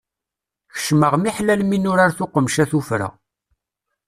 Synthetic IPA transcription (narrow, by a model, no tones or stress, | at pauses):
çə̥ʃməʁmiħlælminʊɾaɾθʊqəmʃæθufɾæ̰